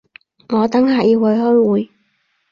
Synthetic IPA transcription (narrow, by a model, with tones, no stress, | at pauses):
ŋɔː˨˧t̪ɐ˨˥ŋɦaː˨jiː˧whɐ˨˧jhɔ˥jwuː˨˧j